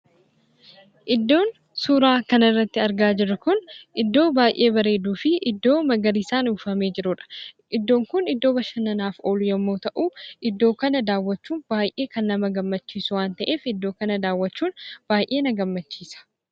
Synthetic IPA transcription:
ʔɪd̪ːo̞ːn | suːɾaːkɐnɐrːɐt̪ːɪɐɾɡaːd͡ʒɪrːʊkʊnʔɪd̪ːo̞ːbaːjʔe̞ːbɐɾe̞ːd̪uːfɪʔɪd̪ːo̞ːmɐɡɐɾisaːnuːfɐmeːd͡ʒɪɾʊᶑɐ̥ | ʔɪd̪ːo̞ːŋkʊnɪd̪ːo̞ːbɐʃɐnɐnaːfo̞ːlʊjɐmːoːt̪ɐʔuːʔɪd̪ːo̞ːkɐnɐd̪aːwːɐt͡ʃːuːnbaːjʔeːkɐnlɐmɐɡɐmːɐt͡ʃːiːsʊwaːnt̪ɐʔe̞ːfɪd̪ːo̞ːkɐnɐd̪aːwːɐt͡ʃːuːnb̥aːjʔe̞ːnɐɡɐmːɐt͡ʃːiːsɐ̥

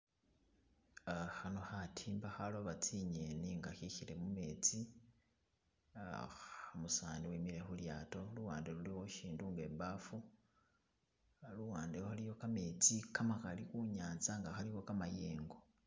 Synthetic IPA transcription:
axano̞xatʰiːmbaxaloβat͡siɲeniŋɡaxixile̞mume̞t͡si | amusaːniwimile̞xuljaːto̞luwaːndeluliwo̞ʃiːnduŋɡe̞ːmbafu | luwaːndeoxalijo̞kame̞t͡sikamakalikuɲaːnzaŋɡaxaliwo̞kamajeːŋɡo̞

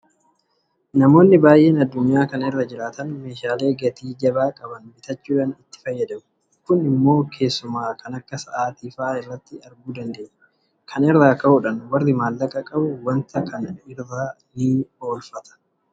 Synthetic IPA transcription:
nɐmo̞ːnːɪbaːjʔe̞ːnɐd̪ːʊɲjaːkɐnɛrːɐd͡ʒɪɾaːt̪ɐnme̞ːʃaːle̞ːɡɐt̪iːd͡ʒɐbaːkʼɐbɐnbɪt̪ɐt͡ʃːuːᶑaːnɪt̪ːɪ̥fɐjːɐd̪ɐmʊ̥ | kʊnɪmːo̞ːkʰe̞ːsːʊmaːkʰɐnɐkːɐsɐʔaːt̪iːfaːɪrːɐt̪ːɪɐɾɡuːd̪ɐnd̪e̞ːɲɛ̥ | kʰɐnɪrːaːkɐhʊᶑɐnwɐrːɪmaːlːɐkʼɐkʼɐbʊwɐnt̪ɐkɐnɪrːaː | nio̞ːlfɐt̪ɐ̥

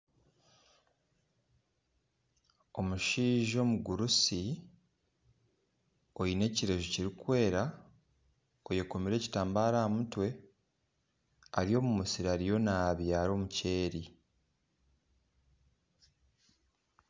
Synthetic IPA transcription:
o̞muʃiːʒo̞ːmuɡuɾusi | o̞jine̞ːciɾe̞ʒuciɾikwe̞ːɾa | o̞jekomiɾe̞ːci̥taːmbaːɾaːmutwe̞ | aɾijo̞ːmumusiɾaɾijo̞naβjaːɾo̞ːmuce̞ːɾi

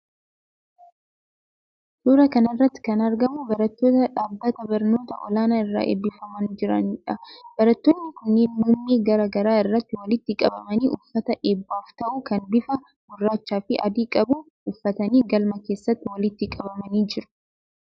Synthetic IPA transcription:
suːɾɐkɐnrːɐt̪ːɪ̥kɐnɐɾɡɐmʊbɐɾɐt̪ːo̞ːt̪ɐᶑaːbːɐt̪ɐbɐɾno̞ːt̪ɐʔɔ̰laːnɐɪrːa̰ːʔḛbːɪfɐmɐnd͡ʒɪɾɐ̰nᶑɐb̥ɐɾɐt̪ːoːnːɪkʊnːeːnmuːmːiːɡɐɾɐɡɐɾaːɪrːɐt̪ːɪwɐlɪt̪ːɪkʼɐbɐmɐniːʔʊfːɐt̪ɐʔeːbːaːft̪ɐʔuːkɐnbɪfɐ | ɡʊrːaːt͡ʃːaːfɪʔɐ̰d̪iːkʼɐbu | ʊfːɐt̪ɐniːɡɐlmɐke̞ːsːɐt̪ːɪwɐlɪt̪ːɪkʼɐbɐmɐniːd͡ʒɪɾʊ̥

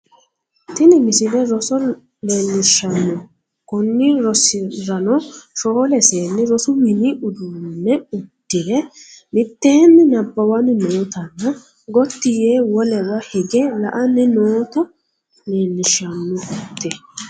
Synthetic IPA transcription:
t̪ɪnɪmɪsɪlɛɾɔsɔ | leːnːɪʃɐnːʊ | kʊnːɪɾɔsɪɾɐnɔʃoːlɛseːnːɪɾɔsʊwɪniʔʊd̪uːnːɛʊd̪̥ːɪlɛmɪt̪ːeːnːɪnɐbːɐwɐnɪnoːt̪ɐnːɐ | ɡɔt̪ːɪjeːwɔlɛwɐhɪɡɛlɐʔɐnːɪnoːt̪ɐ | leːnːɪʃːɐnːʊʊt̪ːɛ

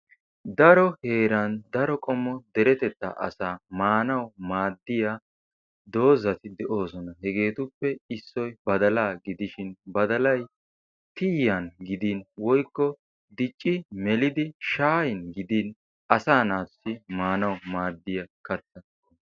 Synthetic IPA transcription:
d̪ɐɾɔhe̞ːɾɐnd̪ɐɾɔkʼɔmːɔd̪ɛɾɛt̪ɛt̪ːɐ̰ʔɐ̰saːmaːnɐwmaːd̪ːɪja | d̪o̞ːzɐt̪ɪd̪ɛʔo̞ːsɔnɐhɛɡe̞ːt̪ʊpːɛɪsːɔjbɐd̪ɐlaːɡɪd̪ɪʃɪnbɐd̪ɐlɐj | t̪ɪjːɐnɡɪd̪inwɔjkːɔ | d̪ɪt͡ʃʼːɪmɛlɪd̪ɪʃaːjɪnɡɪd̪in | ʔɐsaːnaːt̪ʊ̥sɪmaːnɐwmaːd̪ːɪjɐkɐt͡s̪ːɐ

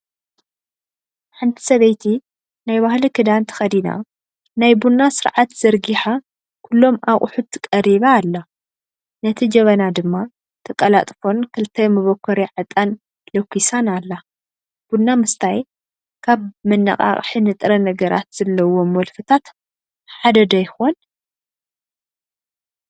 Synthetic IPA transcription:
ħant̪ʰi̥sɐβɐjt̪ʰi | najβahlikʰɨd̪ant̪ʰɐ̥xɐd̪ina̰ | najbunːasɨɾʕat̪z̥ɐɾɡiħa | kʰulːo̞mʔaχʼħut̪ʰːɨkʼɐɾiβaːlːa | nɐt̪ʰid͡ʒɐβɐnad̪ɨmːa | t̪ʰɐkʼɐla̰t̪ʼfo̞nkʰɨlt̪ʰɐjmɨβokʰːɔɾiʕɨt̪ʼan | lɐkʰʷːisanalːa | b̥unːamɨst̪ʰaj | kʰaβmɨnːɐ̰χʼa̰χʼħinɨt̪ʼɾɐnɐɡɐɾa̰t̪z̥ɐlːɐwomwɔlfɨt̪ʰat̪ | ħad̪ɐd̪ɐjxon

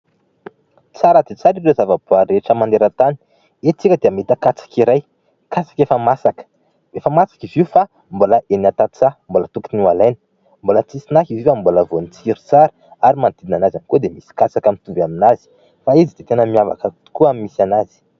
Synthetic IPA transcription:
t͡saɾəd̪et͡saɾiɾezavəb̥uaɾeʈ͡ʂəmand̪eɾət̪ani̥ | et͡sikʲəd̪eamet̪əkat͡sḁkiɾaj | kat͡sḁkefəmasakə̥ | efəmasḁkiviufa | mboləʔenat̪at͡sambolət̪ukiniwalajnə̥ | mbolət͡sisinakivifamboləvonit͡siɾi̥t͡saɾə̥ | aɾimant̪id̪inanazanikud̪emisi̥kat͡sakamint̪uvaminaz̥i̥ | faizit̪et̪enəmiava̰kə̥ | kuamimisanazi̥

